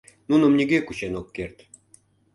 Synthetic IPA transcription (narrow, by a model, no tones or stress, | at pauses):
nunə̆mnʲiɡekuɕenokːert̪